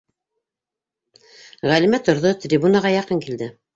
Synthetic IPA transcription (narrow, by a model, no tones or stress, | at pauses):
ʁælimæt̪ŏɾðot̪ɾʲibunaʁɑjɑqɤŋkild̪ɘ